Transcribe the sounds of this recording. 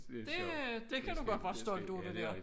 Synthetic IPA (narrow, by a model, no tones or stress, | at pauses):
d̥e̝d̥e̝kʰæd̥uɡ̥ɒd̥̚b̥ɑ̈ːsd̥ɒ̽ld̥ṵɐd̥ed̥ɛɐ̰